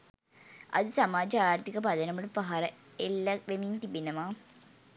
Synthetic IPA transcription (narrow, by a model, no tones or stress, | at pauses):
ɐ̰ðɨsɐmaːd͡ʑaːjaːɾt̪ikːɐpɐd̪ɐnɐmuɽpɐɦɐɾɐ | elːɐʋemint̪ibinɐmaː